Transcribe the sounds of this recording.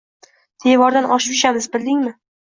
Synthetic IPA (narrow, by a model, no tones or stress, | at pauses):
d̪̥ʰevɒɾd̪anʔɒʃpʊ̥ʃamɪzbɪld̪ɪŋmɪ